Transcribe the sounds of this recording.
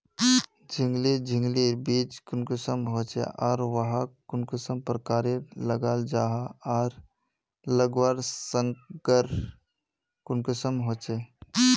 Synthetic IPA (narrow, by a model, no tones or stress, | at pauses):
d͡ʒʱiŋɡlid͡ʒʱɪŋɡliɾbiːt͡ʃkʊnkɪsəmɦoːt͡ʃḛʔaːɾʋəɦakʊnkɪsəmpɾəkaːɾeləɡaːld͡ʒaːɦaaːɾ | ləɡʋaːɾsəŋkəɾ | kʊnkɪsəmɦoːt͡ʃe